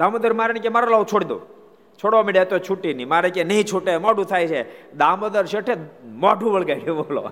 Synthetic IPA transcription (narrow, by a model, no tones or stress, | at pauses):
d̪aməd̪əɾmaɾnikemaɾalaʋt͡ʃʰoɽid̪o̰ | t͡ʃʰoɽʋamiɖet̪ot͡ʃʰuʈːinimaɾekenəɦĩt͡ʃʰuʈemɔɖũt̪ʰajt͡ʃʰed̪aməd̪əɾʃeʈʰemɔɖũʋəɭɡajkebolo̰